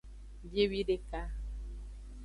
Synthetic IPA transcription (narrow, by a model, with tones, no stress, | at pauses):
bje˦wi˦ɖe˦ka˦